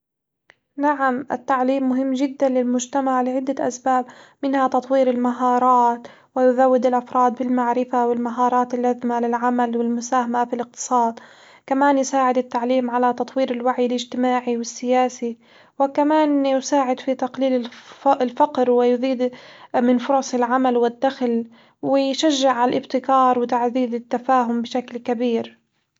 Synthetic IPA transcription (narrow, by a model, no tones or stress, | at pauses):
naʕamʔɪ̰t̪ːaʕliːmːʊɦɪmːʒɪd̪ːanlɪlmʊd͡ʒt̪amaʕlɪʕɪd̪ːaʔa̰sbaːbmɪnhat̪ɑt̪ˤwiːɾɪlmaɦɑːɾˤɑːt̪ | wɪjʊðawːɪd̪ɪlʔafɾˤɑːd̪bɪlmaʕɾɪfawɪlmaɦɑːɾˤɑːt̪ɪlʔazmalɪlʕamalwɪlmʊsaːhamafilɪq̚t̪ɨ̥sˤɑːd̪ | kamaːnjɪsaːʕɪd̪ɪt̪ːaʕliːmʕalat̪ɑt̪ˤwiːɾɪlwaʕjɪlɪd͡ʒt̪ɪmaːʕiwɪsːɪjaːsi | wɪkamaːnjʊsaːʕɪd̪fit̪aqliːlɪɪlfaqɾwɪjʊðiːd̪mɪnfʊɾˤɑsˤɪlʕamalwɪd̪ːaxl | wɪjʃaʒːɪʕalʔɪbt̪ɪkɑːɾˤwɪt̪aʕðiːðɪt̪ːafaːɦʊmbɪʃaklkabiːɾ